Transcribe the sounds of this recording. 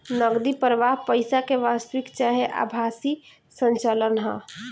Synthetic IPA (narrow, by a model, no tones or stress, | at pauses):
nəɡd̪ipəɾʋaɦpəɪsakeʋast̪əʋikt͡ʃaɦeʔa̰bʱasi | sənt͡ʃələnɦə̰